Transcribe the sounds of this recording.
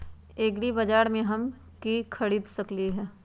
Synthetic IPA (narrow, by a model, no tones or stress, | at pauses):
eːɡɽibɐd͡ʒaːɾmẽɦɐm | kikʰɐɽiːd̪sɐkliɦɛ̃ː